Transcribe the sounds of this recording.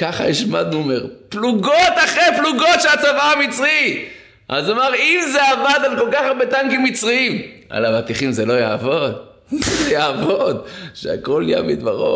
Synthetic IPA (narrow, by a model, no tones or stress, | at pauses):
kaχa̰iʃmad̪̚nuomeʁpluɡot̪aχepluɡot̪ʃelat͡savaamit͡sʁi | ʔa̰zomaʁimzeavad̪alko̞lkaχabet̪aŋkimit͡sʁiimʔa̰lavat̪iχimzelo̞jaːvo̞d̪ | lojaːvo̞d̪ʃea̰ko̞lja̰mid̪vaʁo̰